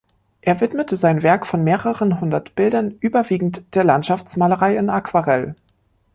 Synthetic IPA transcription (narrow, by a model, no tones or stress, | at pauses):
ʔeːɐvɪtmətʰəzaɪnvɛɐkfɔnmeːʁəʁənɦʊndɐtb̥ɪldɐnʔyːbɐviːɡŋ̩td̥eːɐlantʃaft͡smaːləʁaɪɪnakv̥aʁɛl